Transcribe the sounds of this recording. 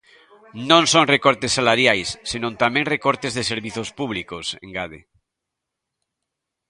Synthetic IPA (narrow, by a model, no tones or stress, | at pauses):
nõŋsõŋrekoɾt̪esːalaɾjajsːenõnt̪amẽŋrekoɾt̪ezðeseɾβiθospuβ̞likosḛŋɡaðḛ